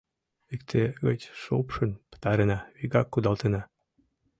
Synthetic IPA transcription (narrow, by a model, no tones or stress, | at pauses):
ikt̪ʰeɣət͡ɕʲʃo̰pʃə̆npə̥t̪ɑɾenɑβiɣɑkːud̪ɑlt̪enɑ